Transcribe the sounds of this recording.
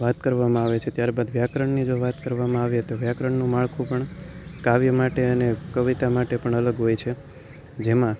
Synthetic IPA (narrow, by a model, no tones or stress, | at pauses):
ʋat̪kəɾʋamãaʋet͡ʃʰet̪jaɾbad̪ʋjakɾəɳnid͡ʒoʋat̪kəɾʋamãaʋiet̪oʋjakɾəɳnũmaɭkʰũpəɳkaʋjəmaʈeənekəʋit̪amaʈepəɳələɡɦojt͡ʃʰe | d͡ʒemã